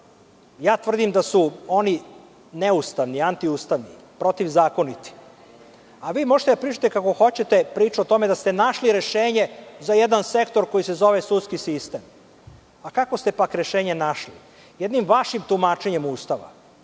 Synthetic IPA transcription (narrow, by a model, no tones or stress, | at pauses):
jaːt̪ʋr̩d̪imd̪asuo̞ni | neust̪aʋniant̪iust̪aʋni | pɾo̞t̪iʋzaːko̞nit̪i̥ | aʋiːmo̞ʒet̪ed̪apɾiːt͡ʃḁt̪ekako̞xo̞t͡ɕet̪e̞pɾiːt͡ʃuot̪o̞me̞d̪ast̪e̞naʃliɾe̞ʃeːɲe̞zajed̪anse̞kt̪o̞ɾko̞jise̞zo̞ʋesut̪skisist̪e̞m | akako̞st̪e̞pakɾeʃe̞ːɲenaʃli | jed̪nimʋaʃimt̪umaːt͡ʃeɲe̞muːst̪aʋa̰